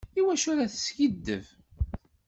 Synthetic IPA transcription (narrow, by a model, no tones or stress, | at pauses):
iwæʃʊɾaθə̥sçəd̪ːə̰v